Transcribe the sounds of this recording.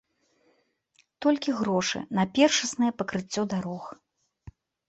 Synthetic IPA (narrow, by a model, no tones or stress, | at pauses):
t̪ɔlʲkʲiɣɾɔʂɨ̰nɐpʲɛrʂɐsnɨjɛpɐkɾɨt͡sʲːɔd̪aɾɔx